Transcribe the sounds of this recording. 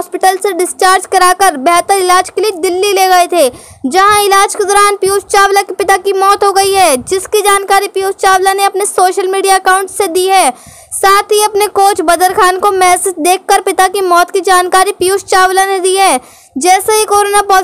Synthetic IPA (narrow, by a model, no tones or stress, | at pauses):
spɪʈəlseɖɪst͡ʃaːɾd͡ʒkɐɾaːkəɾbɛɦt̪əɾɪlaːd͡ʒkelied̪ɪlːileːɡɐet̪ʰeː | d͡ʒɐɦãɪlaːd͡ʒked̪ɔːɾaːnpjuːst͡ʃaːʋlakpɪt̪akimɔːt̪ɦoɡɐiɦɛːd͡ʒɪskid͡ʒaːnkaːɾipjuːst͡ʃaːʋlaneɐpnesoːʃəlmiːɖijaɐkaːʊ̃ɳʈsːed̪iɦɛː | saːt̪ʰɦiɐpnekoːt͡ʃbɐd̪əɾkʰaːnkomɛːsɪsd̪eːkʰːəɾpɪt̪akimɔːt̪kid͡ʒaːnkaːɾipjuːst͡ʃaːʋlaned̪iːɦɛː | d͡ʒɛːseɦikoːɾoːnapɔː